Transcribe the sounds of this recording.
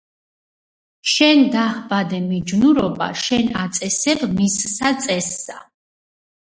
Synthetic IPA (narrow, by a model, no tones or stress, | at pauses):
ʃɛnd̪ahbad̪ɛmid͡ʒnuɾɔba̰ʃɛnat̪sʼɛsɛbmisːat̪sʼɛsːa